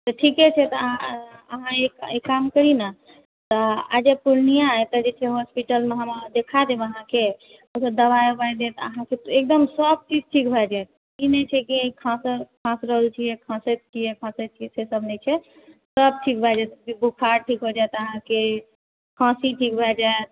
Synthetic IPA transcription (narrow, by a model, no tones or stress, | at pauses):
t̪əʈʰikɛt͡ʃʰɛt̪ɔ | əɦãekekamkəɾina | t̪ɔa̰d͡ʒepuɾnijat̪əd͡ʒet͡ʃʰɛɦospiʈəlmeɦə̃mad̪ekʰad̪ebəɦãke | əsəbd̪əβajobajd̪et̪ə̰ɦãket̪ek̚d̪əmsəb̚t͡ʃid͡ʒʈʰikbʱad͡ʒaet̪̚ | inɛt͡ʃʰɛkiəĩkʰãskʰãsɾəɦəlt͡ʃʰijɛkʰãsət̪̚t͡ʃʰijɛkʰãsət̪t͡ʃʰijɛsesəbnɛt͡ʃʰɛ | səb̚ʈʰik̚bʱad͡ʒat̪bibukʰaɾʈʰikɦod͡ʒajt̪əɦãke | kʰãsiʈʰikbʱad͡ʒaet̪̚